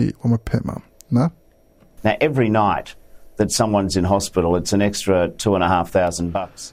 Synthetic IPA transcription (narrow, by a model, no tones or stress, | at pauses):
ḭwamapʰɛʔmã̰ | na | naʊʔɛvɹinaɪt̪̚ðɨtsʌ̃mwʌ̃nzɨ̃nɦɑspɪɾl̩ˠətsɨ̃nɛkstɹ̥ətʰuə̃nəɦæfθaʊz̃n̩bʌks